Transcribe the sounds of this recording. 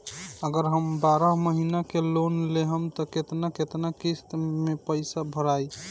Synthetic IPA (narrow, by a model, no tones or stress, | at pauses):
əɡəɾɦəmbaɾəɦməɦinakelonleɦəmt̪ɔket̪naket̪nakist̪mepəɪsabʱəɾaj